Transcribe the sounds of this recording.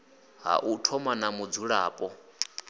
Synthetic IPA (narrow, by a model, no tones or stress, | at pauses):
ɦa̰ʔutʰɔmanamud͡zuɺaːpʼɔ